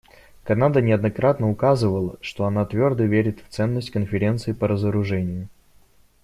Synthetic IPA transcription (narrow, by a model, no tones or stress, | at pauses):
kɐnad̪ənʲɪɐd̪nɐkɾat̪nəʊkazɨvəlˠəʂt̪o̞ɐnat̪vʲo̞rd̪əvʲeɾʲɪt̪ft̪sɛnːəsʲtʲkənfʲɪɾʲe̞nt̪sɨɪpəɾəzəɾʊʐɛnʲɪjʊ